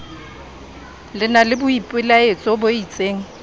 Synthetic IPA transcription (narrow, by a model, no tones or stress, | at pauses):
lɪnalɪbʊipʼɪlaet͡sʼɔboit͡sʼeːŋ̩